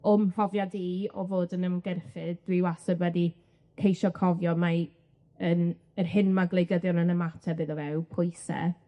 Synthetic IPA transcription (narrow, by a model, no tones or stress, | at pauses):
ʊmrɔvjadiɔvoːdənəmɡɛrfɨdd̥wɪwasəbwɛdi | kʰejʃɔkʰɔvjɔma | ən | ərhɪnmaɡlˠejɡəðjɔnənəmatʰɛbɨðɔvɛwpʰʊjsɛ̰